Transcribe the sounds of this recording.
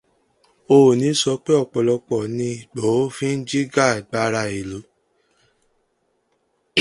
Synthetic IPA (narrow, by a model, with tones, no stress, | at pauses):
o˧˨nĩ˨˦sɔ˧˦k͡pe˦ɔ˦˨k͡pɔ˨lɔ˧k͡pɔ˨nĩ˧i˨k͡po˨˦fĩ˦n̩˦d͡ʒi˦ɡa˦˨ɡ͡ba˧˦ɾa˧i˨lo˨˦